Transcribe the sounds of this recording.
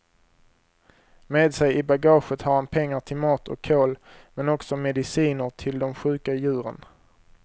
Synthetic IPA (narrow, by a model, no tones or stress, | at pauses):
meːd̪sɛjɪbaɡɑːɧət̪haɾhanpʰɛŋːaʈʰɪlmɑːt̪ʰɔ̰kʰːoːlmɛnɔksɔmɛd̪ɪsiːnəɾʈʰɪld̪ɔmɧʉ̟ːkajʉ̟ːɾə̰n